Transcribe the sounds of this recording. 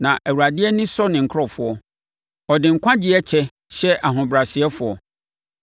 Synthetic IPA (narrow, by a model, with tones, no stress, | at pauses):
nã˨ʔɛ˨wu˨ɾa˨dɪ˦ɛ˦nɪ̃˦sɔ˦nɪ̃˨ŋ̩˨kʰɔ˨fʊ˨ɔ˦ | ɔ˨dɪ̃˨ŋ̩˨kʷʰã˦d͡ʑɪ˦ɛ˦t͡ɕʰɛ˦ | ɕɛ˦ʔa˨ɦʊ̃˨bɾa˨sɪ˨ɛ˦fʊ˨ɔ˨